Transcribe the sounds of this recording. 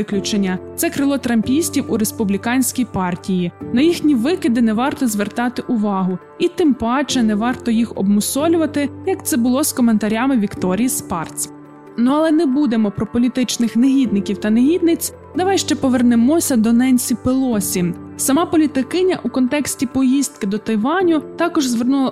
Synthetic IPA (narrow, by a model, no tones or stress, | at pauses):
ɪklʲʊt͡ʃenʲːɐt̪sɛkɾɪlˠɔt̪ɾɐmʲpʲisʲtʲiwuɾespʊblʲikɑnʲsʲkʲijpɑrtʲijinɐjixnʲiʋɪkɪd̪ɪnɛʋɑrt̪ɔzʋert̪ɑt̪ɪʔʊʋɑɦʊ | it̪ɪmpɑt͡ʃɛnɛʋɑrt̪ɔjixɔ̰b̚mʊsɔlʲʊʋɐt̪ɪjɐkt̪sɛbʊlˠɔskɔment̪ɐɾʲɑmɪʋʲikt̪ɔɾʲijspɑrt̪t͡sʲ | nuɐlˠɛnɛbud̪emɔpɾɔpɔlʲit̪ɪt͡ʃnɪxneɦʲid̪nɪkʲiwt̪ɐneɦʲid̪̚nɪt͡sʲ | d̪ɐʋɑjʃt͡ʃɛpɔʋernemɔsʲɐd̪ɔnɛnʲsʲipelˠɔsʲi | sɐmɑpɔlʲit̪ɪkɪnʲɐʔukɔnt̪ɛksʲtʲipɔjist̪̚kɪd̪ɔt̪ɐjʋɑnʲʊt̪ɑkɔʒzʋernulˠɐ